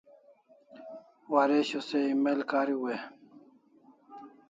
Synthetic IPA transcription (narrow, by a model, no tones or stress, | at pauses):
waɾeɕoseimelkaːɾiwe